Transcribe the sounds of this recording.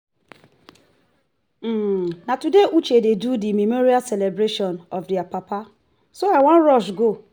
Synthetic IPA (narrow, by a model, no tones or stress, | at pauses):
m̩natudeut͡ʃededudimimoɾiasɛlebɾeʃɔnɔfdiapapa | soawãnɾɔʃɡo